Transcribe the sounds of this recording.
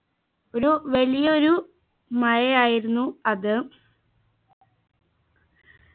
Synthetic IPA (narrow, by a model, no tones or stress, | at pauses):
oɾuʋɐlijɐoɾu | mɐjɐaːjiɾunːuɐðɨ